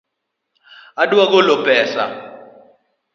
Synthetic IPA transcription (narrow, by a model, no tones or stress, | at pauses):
aɗuwak̬ɔlɔpʼɛːsa̰